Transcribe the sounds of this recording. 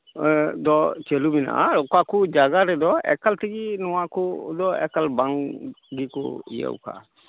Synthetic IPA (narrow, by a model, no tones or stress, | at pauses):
d̪ɔt͡ʃelumina̰ʔa̰ɾɔkakud͡ʒaɡaɾɛd̪ɔɛ̰kalt̪ʰiɡinɔwakɔd̪ɔɛ̰kalbaŋɡikɔ̰ḭja̰wkʰa̰